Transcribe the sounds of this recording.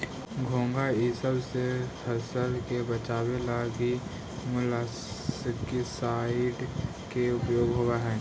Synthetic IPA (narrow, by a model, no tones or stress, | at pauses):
ɡʱõːŋɡaɪsəbsehɐsəlkebət͡ʃaːwelaɡi | mʊla | əkisaːɪʈ | keʊpjoːɡɦoaɦɛː